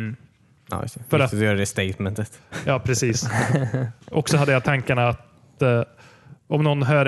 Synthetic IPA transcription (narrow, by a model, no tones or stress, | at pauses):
a̰ːj̰st̪ɛfœɾad̪jœːɾad̪ɛst̪eɪt̪mɛnt̪ət̪jɑːpʰɾɛsiːs | ʔɔksɔɦad̪ːəjat̪ʰaŋkaɳaːt̪ | ɔmnɔnːɦœːɾ